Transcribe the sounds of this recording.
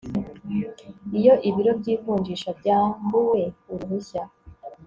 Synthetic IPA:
ijo̞ʔiβiɾo̞bɟiːvuːɲd͡ʒiʃabɟaːmbuwe̞uɾuhuça

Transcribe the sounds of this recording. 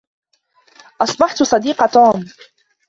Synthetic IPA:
ʔɑsˤbɑħt̪sˤɑd̪iːqɑt̪uːm

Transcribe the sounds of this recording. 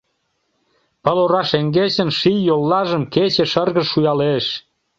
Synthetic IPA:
pəloɾɑʃeŋɡet͡ɕə̆nʃijjolːɑʒə̆mket͡ɕĕʃərɣəʃːujɑleʃ

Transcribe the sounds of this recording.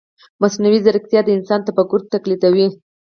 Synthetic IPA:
masnawizaɾk̚t̪jɑd̪əɪnsɑnt̪apaɡʊɾ̚t̪ːaklit̪awi

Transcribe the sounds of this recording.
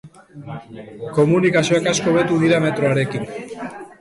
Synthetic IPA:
komunikasjoakaskoβet̪uniðamet̪ɾoaɾekin

